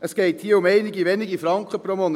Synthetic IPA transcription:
əsɡ̥eɪt̪hiːʊmeɪnɪɡiʋɛnɪɡifɾɑŋkəpʰɾomon

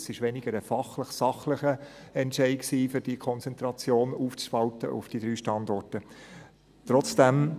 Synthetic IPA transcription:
sɪʃʋɛnɪɡ̥əɾəfɑχləχsɑχləχə | ɛntʃɛɪksiːfʏɾd̥ikʰɔnt͡sɛntɾɑt͡sjoːnuːft͡spɑltə̰ʔʊ̰fd̥id̥̪ɾyːʃtɑnd̪ɔrtə | t̪ɾɔt͡sd̥æm

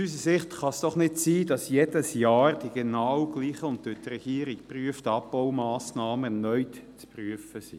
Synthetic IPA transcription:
sys̬əsɪχtχɑsd̥ɔχnɪtsiːd̥ɑsjedəsjɑːrd̥iɡ̥enɑwɡ̥liːχəʊntdøtɾɛɡ̥iːɾikpryəftɑbbɔwmɑːsnɑːməɛnœʏtt͡spryəfəsḭ

